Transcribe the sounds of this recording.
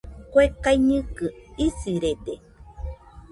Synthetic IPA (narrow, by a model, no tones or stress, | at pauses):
kʷekaiɲɨ̃kɨisiɾede